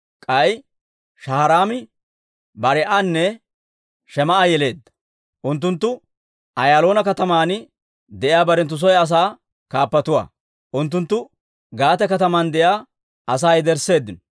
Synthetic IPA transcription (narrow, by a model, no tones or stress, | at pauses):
kʼɐj | ʃɐhɐɾaːmɪ | bɐɾɛʔanːɛ | ʃɛmɐʔajɛle̞ːd̪ːɐ̥ | ʔʊnt̪̬ːʊnt̪ːʊ | ʔɐjaːlo̞ːnɐkɐt̪ɐmaːn | d̪ɛʔɪjaːbɐɾɛnt̪ːʊs̬ɔjɐs̬aː | kaːpːɐt̪ʊwa̰ː | ʔʊnt̪̬ːʊnt̪ːʊ | ɡaːt̪ɛkɐt̪ɐmand̪ɛjaː | ɐs̬aːjd̪ɛɾsːe̞ːd̪ːɪnɔ